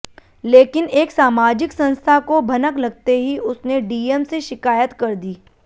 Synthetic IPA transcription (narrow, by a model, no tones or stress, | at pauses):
leːkɪneːksaːmaːd͡ʒɪksɐ̃nst̪ʰakobʱɐnəklɐɡ̚t̪eɦiʊsneɖiːemseʃɪkaːjət̪kɐɾd̪iː